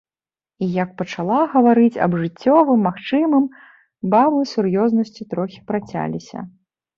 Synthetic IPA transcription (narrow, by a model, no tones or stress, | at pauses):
ijɐk̚pɐt͡ʂalˠaɣɐvaɾɨt͡sʲɐ̰bʐɨt͡sʲːɔvɨmːaxt͡ʂɨmɨm | babˠɨsurjɔznɐsʲt͡sʲit̪ɾɔxʲi̥pɾat͡sʲa̰lʲisʲɐ̰